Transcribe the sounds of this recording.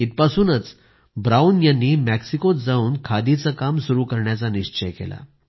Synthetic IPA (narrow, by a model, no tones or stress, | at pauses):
it̪̚pasuːnət͡s | bɾauːnjanːiːmɛksikot͡s̪d͡zauːnkʰad̪it͡səkamsuɾuːkəɾɳjat͡saniɕt͡ɕəjkḛla̰